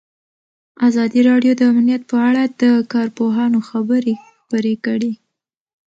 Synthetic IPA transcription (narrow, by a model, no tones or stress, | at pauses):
azɑd̪iɾɑɖjod̪əamnijat̪̚pəaɽad̪əkɑɾpoɦɑnoxabəɾexxpəɾekəɽi